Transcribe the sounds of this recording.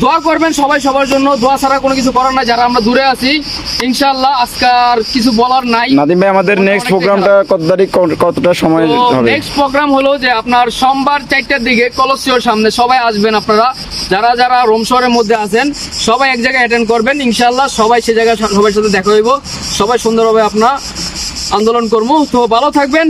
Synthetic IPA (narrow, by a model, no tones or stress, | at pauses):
d̪ʱoakoɾbenʃɔbajʃɔbaɾd͡ʑonːod̪ʱoat͡ɕʰaɾakonokit͡ɕʰukɔɾaɾnajd͡ʑaɾaamɾad̪uɾeat͡ɕʰiinʃaːlːaaskaɾkit͡ɕʰubɔlaɾnajnad̪imbajamad̪eɾneksʈpɾoɡɾamʈakɔt̪od̪aɾiɔkɔɾt̪oʈaʃɔmɔeeksʈpɾoɡɾamɦolod͡ʑeapnaɾʃɔmbaɾt͡ɕajʈ̚ːaɾd̪ikekɔlosioɾʃamneʃɔbajaʃbenapnaɾa | d͡ʑaɾad͡ʑaɾaɾomʃɔɾeɾmod̪ʱːeat͡ʃʰen | ʃɔbajɛk̚d͡ʑajɡajɛʈ̬enɖkoɾbeninʃaːlːaʃɔbajʃejd͡ʑajɡaʃɔbaeɾʃ̬at̪ʰed̪ɛkʰaɦojbo | ʃɔbajʃond̪oɾbʱabeapnaɾ | and̪olonkoɾbot̪obʱalot̪ʰak̚ben